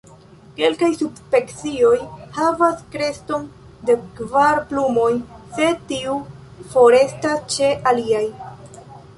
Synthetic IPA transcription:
ke̞lkajsubspe̞kt͡sio̞jhavaskɾe̞sto̞n | dekvaɾplumo̞jse̞tiu | fo̞ɾe̞stast͡ʃe̞ʔaliaj

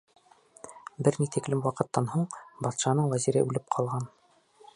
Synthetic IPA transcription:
bɘɾnit̪iklɘmwɑqɤ̆t̪ːɑnhuɴbɑt̪ʃɑnɤɴwæziɾɘ̰ʔʉlɘp̚qʰɑlˠʁɑn

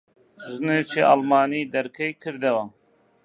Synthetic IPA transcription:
ʒnet͡ʃʰiʔɑlmɑːniːd̪ɐɾkʰɛjkʰɨɾd̪ɐwa

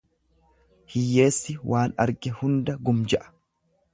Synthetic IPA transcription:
hɪjːe̞ːsːɪwʔaːnɐ̰ɾɡɛhʊnd̪ɐɡʊmd͡ʒɛʔɐ̥

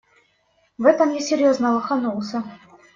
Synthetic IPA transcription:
vɛt̪əmjesʲːɪɾʲjoznəvəxanulˠsə

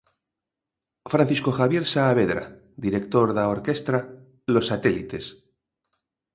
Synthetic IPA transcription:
fɾan̟θisko̞xaβje̞ɾsaːβeðɾa̰ | d̪iɾekt̪o̞ɾðaoɾke̞st̪ɾa | lo̞sːat̪elit̪e̞s

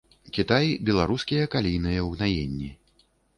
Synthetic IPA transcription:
kʲit̪ajbʲɛlˠaɾuskʲijɐkalʲijnɨjɐwɣnajenʲːi

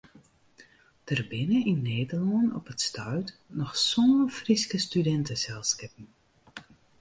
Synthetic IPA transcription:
d̥ərbɪnəinːeːdərlɔnɔ̰pətstœɥtnɔxsoːnfriskəstydɛntəsɛlˠskɪpən̩

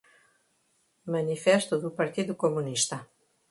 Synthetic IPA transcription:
manifest̪ud̪upaɾt̪id̪ukomuniʃt̪a

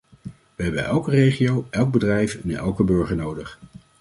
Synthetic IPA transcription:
ʋəɦɛbənʔɛlˠkərejχiowʔɛlˠɡ̚bədrɛjfɛnɛ̰lˠkəbøɹχəɹnowdəχ

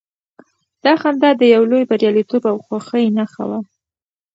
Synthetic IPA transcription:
d̪̥ɑxand̪ɑd̪əjawlojbaɾjɑlit̪obawxwaxəjnaxa̰wa

